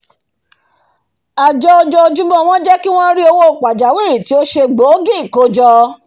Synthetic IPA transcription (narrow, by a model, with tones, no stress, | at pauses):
a˨d͡ʒɔ˧ɔ˧d͡ʒɔ˧d͡ʒu˦bɔ̃˦w̃ɔ̃˦d͡ʒɛ˦ki˦w̃ɔ̃˦ɾi˦o˧wo˦˨k͡pa˨d͡ʒa˨˦wi˦˨ɾi˨ti˨˦o˦ʃe˧ɡ͡bo˨˦ɡĩ˦i˨ko˦d͡ʒɔ˧